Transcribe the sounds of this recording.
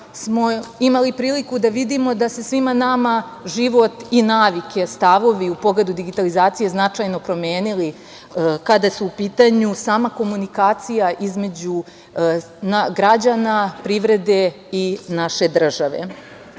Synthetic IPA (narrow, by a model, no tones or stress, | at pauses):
smo̞imalipɾiːlikud̪aʋid̪imo̞d̪ase̞sʋimanama | ʒiʋo̞t̪inaːʋike̞st̪aʋo̞ʋiupo̞ɡled̪ud̪iɡit̪alizaːt̪sije̞znat͡ʂajno̞pɾo̞mjeːnili | kad̪asuːpiːt̪aɲusaːmako̞munikaːt̪sijaʔizme̞d͡ʑu | naɡɾad͡ʑanapɾiʋɾe̞d̪e̞ | inaʃe̞d̪r̩ʒaʋe̞̰